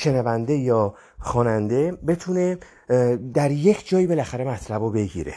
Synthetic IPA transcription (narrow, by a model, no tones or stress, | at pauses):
ʃe̞nævænd̪e̞jɒː | xɒːnænd̪e̞be̞t̪ʰune̞ | d̪æɾje̞kʰd͡ʒɒːjibe̞læxæɾe̞mæt̪ʰlæbobe̞ɡḭːɾḛ